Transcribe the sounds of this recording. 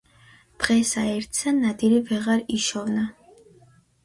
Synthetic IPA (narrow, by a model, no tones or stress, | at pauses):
d̪̥ʁɛsaɛɾt̪ʰsanad̪iɾivɛʁaɾiʃɔvna